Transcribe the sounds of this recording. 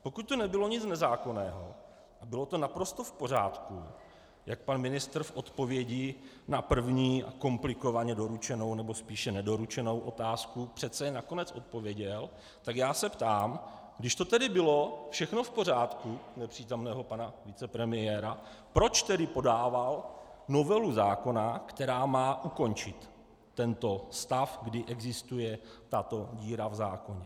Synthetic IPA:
po̞kut̪̚t̪onɛbɪlo̞ɲɪt͡snɛzaːko̞nɛːɦo̰ | ʔabɪlo̞t̪o̞napɾo̞st̪o̞fpo̞r̝aːt̪ku | jak̚panmɪnɪst̪r̩fʔo̞t̪po̞vjɛɟɪ | napr̩vɲiːʔa̰ko̞mplɪko̞vaɲɛdo̞ɾut͡ʃɛno̞wnɛbo̞spiːʃɛnɛdo̞ɾut͡ʃɛno̞wʔo̞̰t̪aːskupr̥ɛt̪t͡sɛjɛnako̞nɛt͡sʔo̞t̪̚po̞vjɛɟɛl | t̪akjaːsɛpt̪aːm | ɡdɪʃt̪o̞t̪ɛdɪbɪlo̞fʃɛxno̞fpo̞r̝aːt̪kunɛpr̝̥iːt̪o̞mnɛːɦo̞panavɪt͡sɛpɾɛmɪjɛːɾa | pɾo̞t͡ʃt̪ɛdɪpo̞daːvalno̞vɛluzaːko̞nakt̪ɛɾaːmaːʔuko̞nt͡ʃɪt̪ː | ɛnt̪o̞st̪afɡdɪʔɛɡzɪst̪ujɛt̪at̪o̞ɟiːɾavzaːko̞ɲɛ

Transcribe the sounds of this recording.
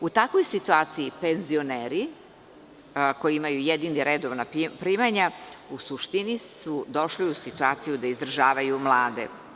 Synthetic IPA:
ut̪akʋo̞jsit̪uaːt̪sijipe̞nzio̞neːɾi | ko̞jiimajujed̪iniɾed̪oʋnapɾimaɲausuʃt̪inisud̪o̞ʃliusit̪uaːt̪sijud̪aizd̪ɾaʒaːʋajumlˠaːd̪e̞̰

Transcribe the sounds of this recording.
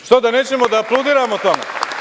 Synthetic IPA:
ʃt̪od̪aneːt͡ɕemod̪aːplˠod̪iːɾamot̪omḛ

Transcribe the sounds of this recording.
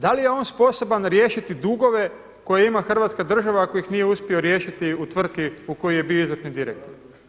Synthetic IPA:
d̪alije̞o̞ːnspo̞so̞banɾjeːʃit̪id̪uɡo̞ʋe̞ | ko̞jeimaxr̩ʋaːt̪skad̪r̩ʒaʋako̞jixnijeuspʲio̞ɾje̞ːʃit̪iut̪ʋr̩d̪kiuko̞jije̞bioizʋrt̪nid̪iɾḛk̚t̪oɾ

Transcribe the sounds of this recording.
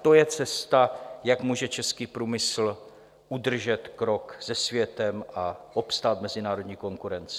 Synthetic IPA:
t̪o̞jɛt͡sɛst̪ajakmuːʒɛt͡ʃɛskiːpɾuːmɪsl̩ | ʔudr̩ʒɛt̪kɾo̞kz̥ɛsvjɛt̪ɛmaʔo̞pst̪aːt̪mɛzɪnaːɾo̞dɲiːko̞ŋkuɾɛnt͡sɪ̥

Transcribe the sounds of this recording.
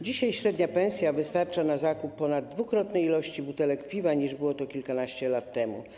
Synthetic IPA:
d͡ʑiɕajɕɾɛd̪ɲapɛñsʲjavɘst̪aɾt͡ʂanazakupːɔnad̪ːvukɾɔt̪nɛjilɔɕt͡ɕibut̪ɛlɛkpʲivaɲiʐbɘwɔt̪ɔkʲilkanaɕt͡ɕɛlat̪ːɛmṵ

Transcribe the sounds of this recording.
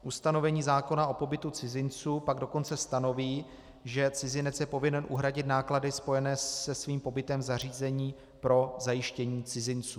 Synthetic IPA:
ʔust̪ano̞vɛɲiːzaːko̞naʔo̞po̞bɪt̪ut͡sɪzɪnt͡suːpaɡdo̞ko̞nt͡sɛst̪ano̞viː | ʒɛt͡sɪzɪnɛt͡sjɛpo̞vɪnɛnʔṵɦɾaɟɪt̪naːkladɪspo̞jɛnɛːɛsviːmpo̞bɪt̪ɛmvzar̝iːzɛɲiː | pɾo̞zajɪʃcɛɲiːt͡sɪzɪnt͡suː

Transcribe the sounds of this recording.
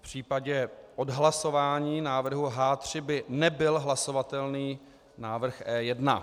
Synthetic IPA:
pr̝̥iːpaɟɛʔo̞dɦlaso̞vaːɲiːnaːvr̩ɦuɦaːt̪r̝̥ɪbɪnɛbɪlɦlaso̞vat̪ɛlniː | naːvr̩xʔɛːjɛdna̰

